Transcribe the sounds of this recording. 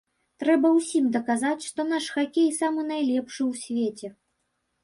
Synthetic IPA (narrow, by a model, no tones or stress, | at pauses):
t̪ɾɛbɐwsʲimd̪ɐkazat͡sʲʂt̪ɔn̪aʂxakʲejsamɨn̪ajlʲɛpʂɨwsʲvʲet͡sʲɛ